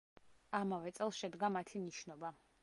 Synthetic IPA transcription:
amavɛt̪sʼɛlˠsʃɛd̪ɡamat̪ʰiniʃnɔba

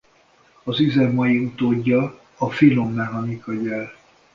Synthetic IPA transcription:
ɒzizɛmɒjiut̪oːɟːɒː | filomːɛɦɒnikɒɟɛl

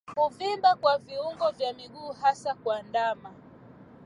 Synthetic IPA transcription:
huvimbakwaviuŋɡɔvjamiɡuːhasakwandama

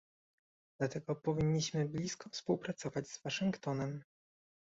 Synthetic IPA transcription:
d̪̥lat̪ɛɡɔpɔvʲiɲːiɕmɘblʲiskɔfspuwpɾat̪sɔvad͡ʑzvaʂɘŋkt̪ɔnɛm

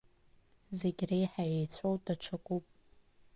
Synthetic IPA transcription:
zeɡʲrejħajejt͡sʷʰowdaʈ͡ʂʰakʷʼupʼ

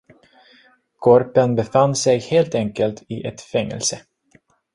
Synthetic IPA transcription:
kʰɔɾpənbɛfanːsɛjheːlt̪ɛŋkəlt̪ʰɪʔɛt̪fɛŋːɛ̰lsə

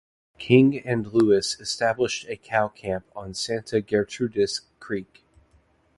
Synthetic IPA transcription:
kʰɪ̃ŋɨ̃nluɨsɨstæbləʃtɨkʰaʊkʰæ̃mpn̩sæ̃ntʰɨɡɛɹtʰɹʉɾɨskʰɹ̥ik

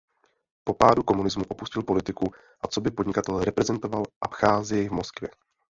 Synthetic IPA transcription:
po̞paːduko̞munɪzmuʔopuscɪlpo̞lɪt̪ɪku | ʔat͡so̞bɪpo̞dɲɪkat̪ɛlɛɾɛpɾɛzɛnt̪o̞valʔa̰pxaːzɪjɛjvmo̞skvjɛ̰

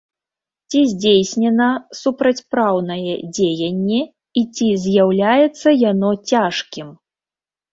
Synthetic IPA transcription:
t͡sʲizʲd͡zʲejsʲnʲɛnɐsupɾɐt͡sʲpɾawnɐjɛd͡zʲejɐnʲːɛ | it͡sʲizʲjawlʲajɛt̪sːɐjanɔt͡sʲaʂkʲim

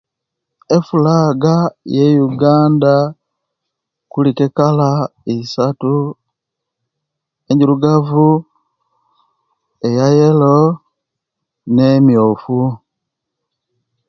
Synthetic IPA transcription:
efulaɡajejuɡaːnda | kulikekalaisatu | eɲɟiɾuɡavu | ejajelo | nemjofu

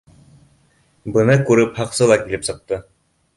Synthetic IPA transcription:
bɤ̆nɤkʉɾɘphɑqsɤlˠɑkilɘpsɤ̆q̚t̪ɤ

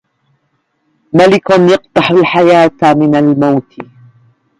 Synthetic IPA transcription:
malɪkʊnjɑq̚t̪ˤɑħʊlħajaːt̪mɪnalmawt̪ɪ

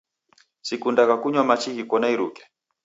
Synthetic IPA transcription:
sikundakakuɲwamat͡ʃiɣikɔnaiɾṵkɛ̥

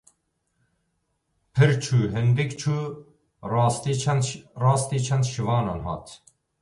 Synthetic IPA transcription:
pʰɨɾt͡ʃʰuːɦɪnd̪ɨkt͡ʃʰuː | rɑːst̪iːt͡ʃʰɛnrɑːst̪iːt͡ʃʰɛnd̪ʃivɑːnɑ̰ːnɦɑ̰ːt̪

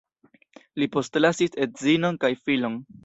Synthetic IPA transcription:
lipo̞stlasisetzino̞nkajfilo̞n

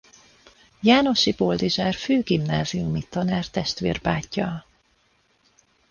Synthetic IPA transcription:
jaːno̞ʃibold̪iʒaːrføːɡimnaːziumit̪ɒnɛrt̪ɛʃt̪ʋḛːrbaːcːɒ

